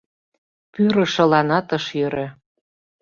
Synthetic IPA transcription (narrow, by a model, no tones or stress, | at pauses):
pyɾɤ̆ʃɤ̆lɑnɑt̪ɤ̆ʃjøɾø